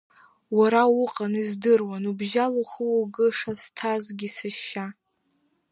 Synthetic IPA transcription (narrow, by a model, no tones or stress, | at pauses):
waɾawʊqʼanizdɨrwanubʒaluχəwuɡɨʂaz̥tʰazɡʲisaʃːa